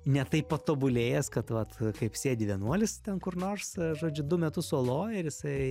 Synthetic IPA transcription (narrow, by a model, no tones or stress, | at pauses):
nʲɛt̪ɐɪppɐt̪oːbʊlʲeːjɛskɐt̪ʋɐt̪kɐɪpsʲeːd̪ʲɪʋʲɛnuɔlʲɪst̪ʲɛnkʊrnoːrsʒoːd͡ʒʲʊd̪ʊmʲɛt̪ʊsoːlˠoːjɪɾjɪsɐɪ